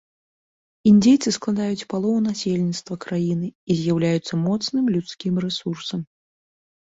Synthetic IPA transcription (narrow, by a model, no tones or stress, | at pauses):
indʲejt̪sɨsklˠad̪ajut͡sʲpalˠɔunasʲelʲnʲit̪st̪vɐkɾajinɨizʲjawlʲajut̪sːɐmɔt̪snɨmlʲut̪skʲimrɛsursɐm